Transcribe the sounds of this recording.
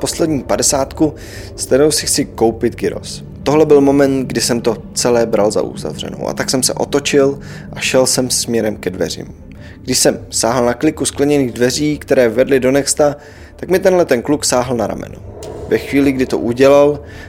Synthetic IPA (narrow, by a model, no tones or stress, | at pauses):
po̞slɛdɲiːpadɛsaːt̪ku | st̪ɛɾowsɪxt͡sɪkowpɪt̪ɡɪɾo̞̰s | t̪o̞ɦlɛbɪlmo̞mɛnt̪ɡdɪsɛmt̪o̞ | t͡sɛlɛːbɾalza̰ʔṵza̰vr̝ɛ̰no̞̰wʔa̰t̪aksɛmsɛ̰ʔo̞t̪o̞t͡ʃɪl | ʔaʃɛlsɛmsmɲɛɾɛmkɛdvɛ̰r̝ɪ̰m | ɡ̥dɪʃsɛmsaːɦl̩naklɪkusklɛɲɛniːɣdvɛr̝iːkt̪ɛɾɛːvɛdlɪdo̞nɛkst̪a | t̪akmɪt̪ɛnlɛt̪ɛnkluksaːɦl̩naɾa̰mɛ̰no̰vɛxviːlɪɡdɪt̪o̰ʔuɟɛlal